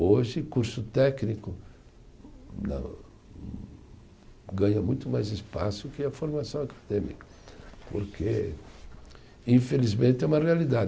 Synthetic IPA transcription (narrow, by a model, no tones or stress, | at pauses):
oʒɪkuɾsʊt̪ɛknikʊ | nɐ̰̃ | ɡɐ̃ɲɐmũj̃t̪ʊmajzespa̰sʊkɪɐfoɾmasɐ̃w̃akʰḁd̪ẽmikɐ̥ | poɾkʰe | ĩfelizmẽnt̪ɪɛũmɐrealid̪a